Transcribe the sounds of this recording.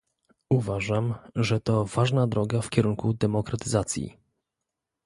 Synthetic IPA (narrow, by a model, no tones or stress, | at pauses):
uvaʐamʐɛt̪ɔvaʐnad̪ɾɔɡafkʲɛɾuŋkud̪ɛmɔkɾat̪ɘzat̪sʲjḭ